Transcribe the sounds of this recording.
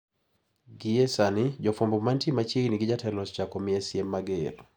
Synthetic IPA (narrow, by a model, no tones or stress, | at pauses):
ɡiesanɪd͡ʒɔfombomantimat͡ʃiɡniɡɪd͡ʒatɛlɔst͡ʃakɔmɪɛsjemːaɡel